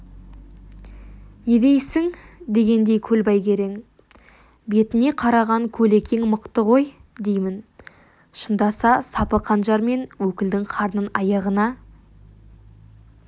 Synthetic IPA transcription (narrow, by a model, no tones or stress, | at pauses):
ned̪e̞jsɪŋd̪e̞ɡʲe̞nd̪e̞jkʲʰɵlbɑjkʲʰe̞ɾe̞ŋ | be̞t̪ɪne̞qʰɑɾɑʁɑŋkʲʰɵlekʲe̞ŋməqt̪əʁo̞jd̪e̞jmɪn | ʃənd̪ɑsɑsɑpəqʰɑnʒɑɾme̞nwɵkʲɪld̪ɪŋqʰɑɾnənɑjɑʁənɑ